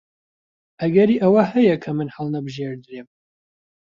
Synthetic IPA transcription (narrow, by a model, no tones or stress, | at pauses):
ʔɐɡɐɾiːʔɐwɐɦɐjɐkʰɐmɨnhɐlˠnɐbɨʒeːɾd̪ɨɾeːm